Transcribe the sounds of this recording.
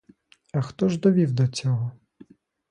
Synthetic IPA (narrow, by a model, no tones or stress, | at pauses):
ɐxt̪ɔʒd̪ɔʋʲiwd̪ɔt͡sʲɔɦɔ